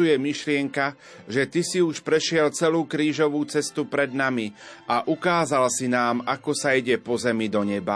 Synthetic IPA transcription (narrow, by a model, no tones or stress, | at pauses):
ujɛmiʃlɪɛŋka | ʒɛt̪isiuʃpɾɛʃɪɛlt͡sɛluːkɾiːʒɔʋuːt͡sɛst̪upɾɛd̪namiaʔukaːzalsinaːmʔakɔsaiɟɛpɔzɛmid̪ɔɲɛba